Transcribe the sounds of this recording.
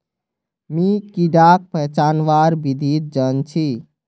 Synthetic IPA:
mikiɖak̚pəɦt͡ʃanʋaɾbid̪ʱit̪̚d͡ʒənt͡ʃʰi

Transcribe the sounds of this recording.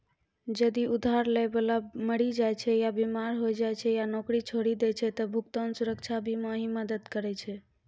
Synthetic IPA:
d͡ʒəd̪iud̪ʱaɾləjbelaməɽid͡ʒajt͡ʃʰɛjabimaɾɦojd͡ʒajt͡ʃʰɛjanokɾit͡ʃʰoɽid̪ɛt͡ʃʰɛt̪əbʱukt̪ənsuɾəkt͡ʃʰabʱiməɦiməd̪əd̪kəɾɛt͡ʃʰɛ

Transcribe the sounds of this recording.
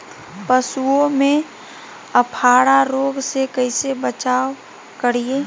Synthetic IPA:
pəsuõmẽ | əpʰaːɽaɾoːɡsekəɪsebət͡ʃaːo | kəɾie

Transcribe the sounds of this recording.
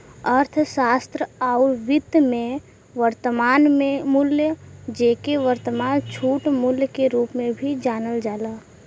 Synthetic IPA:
əɾt̪ʰʃaːst̪ɾəaːʊʋɪt̪mẽ | ʋəɾt̪əmaːnmẽmʊljəd͡ʒeːkeʋəɾt̪əmaːnt͡ʃʰuːʈmʊljəkeɾuːpmẽbʱid͡ʒaːnəld͡ʒaːlaː

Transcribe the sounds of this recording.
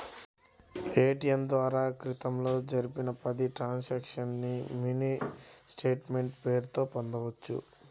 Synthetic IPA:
eːʈijɐnd̪ʋaːɾaːkɾit̪ɐmlo̞ːd͡ʒɐɾipinɐpɐd̪iʈɾaːnsakʂɐnːiminisʈeːʈme̞ɳʈpe̞ːɾut̪o̞ːpond̪ɐʋɐt͡ʃːṵ

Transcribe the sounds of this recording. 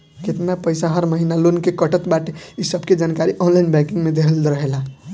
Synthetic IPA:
ket̪napəjsaɦəɾməɦinalonkekəʈət̪baʈeisəbʱked͡ʒankaɾiʔɔnlainbɛ̃kiŋɡmed̪ekʰəlɾəɦela

